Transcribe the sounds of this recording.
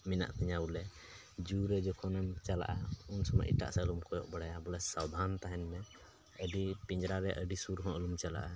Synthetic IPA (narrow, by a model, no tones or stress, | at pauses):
mina̰ʔt̪ʰiɲaulɛ | d͡ʒuɾɛd͡ʒɔkʰɔnamt͡ʃala̰ʔaunsɔma̰ʔḭʈa̰ʔsalumkʰɔjɔʔbəɽajabɔlɛsad̪ʱant̪aɦɛnmɛ | əɖipĩɲd͡ʒɾaɾɛʔəɖisuɾɦɔ̃ʔəlumt͡ʃala̰ʔa